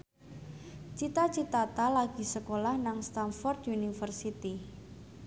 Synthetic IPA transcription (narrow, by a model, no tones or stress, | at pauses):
t͡ʃit̪at͡ʃit̪at̪alaɡ̥i̤səkolahnaŋst̪anfɔrt̪unifərsit̪i